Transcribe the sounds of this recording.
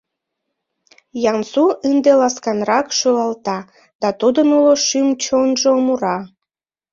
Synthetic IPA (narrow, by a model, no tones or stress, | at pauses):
jɑnsuʔɨnd̪elɑskɑnɾɑkʃulɑlt̪ɑ | d̪̥ɑt̪ud̪ənuloʃymt͡ɕonʒomuɾɑ